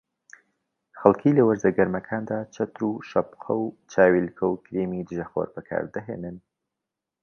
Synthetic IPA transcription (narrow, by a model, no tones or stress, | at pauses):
xɐlˠkʰilɐwɐɾzɐɡɐɾmɐkʰaːnd̪aːt͡ʃʰɐt̪ɾuːʃɐpqʰɐwt͡ʃʰaːwilkʰɐwkɾemid̪ɨʒɐxo̰ɾbɐkʰa̰ːɾd̪ɐɦeːnɨn